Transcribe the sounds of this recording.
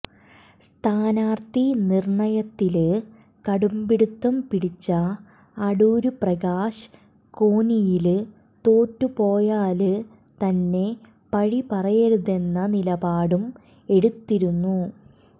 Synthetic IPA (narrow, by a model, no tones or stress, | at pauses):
st̪ʰaːnaːrt̪inirɳɐjɐt̪ːil | kɐɽumbiɽut̪ːɐmpiɽit͡ɕːɐː | ɽuːɾuprɐɡaːʂ | ko̞ːnijil | t̪o̞ːtːupo̞ːjaːlɨ | t̪ɐnːe̞ | pɐɻipɐrɐjɐɾuðe̞nːɐnilɐbaːɽum | e̞ɽut̪ːiɾunːu